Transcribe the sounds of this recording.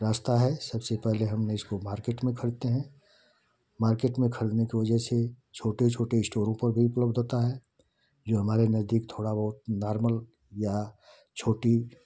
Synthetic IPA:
ɾaːst̪aɦɛsɐbsepɛɦleɦɐmneɪskomaːɾkeːʈmẽkʰɐɾt̪eɦɛ̃ | maːɾkeːʈmẽkʰɐɽd̪nekiʋɐd͡ʒəɦse | t͡ʃʰoːʈet͡ʃʰoːʈeɪsʈoːɾõpɐɾbʱiʊpləbd̪oːt̪aɦɛː | d͡ʒoːɦɐmaːɾenɐzd̪iːkt̪ʰoːɽabɐɦʊt̪naːɾməl | ja | t͡ʃʰoːʈi

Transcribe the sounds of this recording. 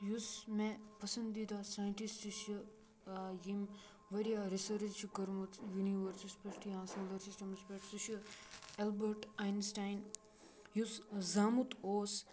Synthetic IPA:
jusmẽpɐsɐnd̪id̪asajɳʈisiʃ | jim | ʋɐɾijaɾisɐɾd͡ʒt͡ʃʰikɐɾmɐt̪juniʋɐɾsispɐsʈiãːsɐld̪ɐɾsisʈɐmspeːʈsiʃuelbɐɾʈajnsʈajn | juszaːmut̪ʰoːs

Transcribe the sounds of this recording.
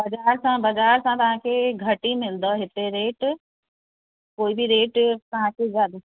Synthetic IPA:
bɐd͡ʒaːɾsãbɐd͡ʒaːɾsãt̪ɐʋ̤ãkʰeɡʱɐʈimɪld̪oɦɪt̪eɾeːʈ | koːibʱiɾeːʈt̪ɐʋ̤ãkʰezaːd̪

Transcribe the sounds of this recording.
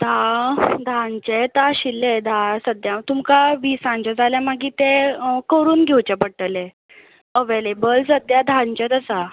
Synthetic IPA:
d̪ʱãd̪ʱant͡ɕɛt̪aɕilːed̪ʱãsəd̪jãt̪umkaʋiːsãɲt͡ɕad͡zʱaljamaɡiːt̪ɛ̃kəɾuːnɡʱewt͡ɕɛpəɽʈəlɛ | əʋelebəlsəd̪jad̪ʱãnt͡ɕɛ̃t̪əsa

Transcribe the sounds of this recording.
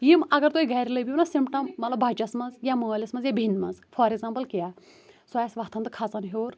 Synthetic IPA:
jimɐɡɐɾt̪uːiɡʱɐːɾiləbʲiunasimpʈɐmːɐt̪lɐbʱɐt͡ʃɐsmɐzjaməːlʲɐsmɐnzjabʱinmɐzfʰɐɾeɡzaːmpɐlkijaː | soɛsʋɐt̪ʰɐnd̪ɨkʰat͡sɐnɦoːɾ

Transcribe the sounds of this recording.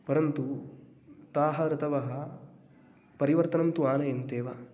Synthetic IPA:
pɐɾɐnt̪u | t̪aːɦɐɾɐt̪ʰɐʋɐɦɐ | pɐɾiʋɐɾt̪ɐnɐnt̪uaːnɐjent̪eːʋɐ

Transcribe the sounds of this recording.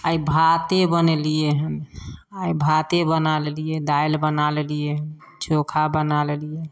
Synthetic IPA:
aibʱat̪ebənelijeɦənaibʱat̪ebənalelijed̪ajlbənalelijeɦən | t͡ʃʰokʰabənalelije

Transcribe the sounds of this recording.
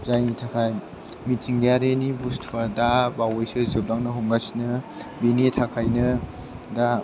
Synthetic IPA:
zajnitʰakʰaj | mitsiŋɡaɾenibustʰadabawojsɯzɯp̚daŋnɯɦuŋɡasinɯbinitʰakʰajnɯ | da

